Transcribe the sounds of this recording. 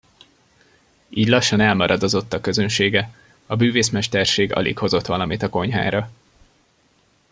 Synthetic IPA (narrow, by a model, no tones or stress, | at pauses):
iːɟlɒʃːɒnɛlmɒɾʔɒd̪ozo̞t̪ːɒkːø̞zønʃeːɡɛ | ɒbyːveːsmɛʃt̪ɛrʃeːɡɒ̰lḭkho̞zo̞t̪ʋɒlɒmit̪ɒko̞ɲɦa̰ːɾɒ